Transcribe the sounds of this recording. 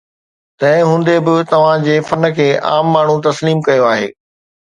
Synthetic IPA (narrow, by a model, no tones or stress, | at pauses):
t̪ɐ̃ɦɪ̃ɦũːnd̪ebɪt̪ɐʋ̤ãd͡ʑeːfɐn̆kʰeːʔa̰ːmːaːɳ̤ut̪ɐsliːmkɐjoaːɦḛː